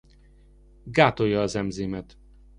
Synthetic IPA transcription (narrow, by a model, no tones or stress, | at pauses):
ɡaːt̪o̞jːɒːzɛmzeːmɛt̪